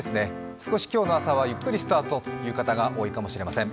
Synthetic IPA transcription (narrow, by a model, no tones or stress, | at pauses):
esɨne̞sɨ̥ko̞ɕi̥kʲo̞ːno̞asaβajɯ̟kːɯ̟ɾʲisɨ̥t̪aːt̪o̞t̪o̥jɯ̟ːkat̪aɡaʔoːikamo̞ɕiɾe̞masẽ̞ŋ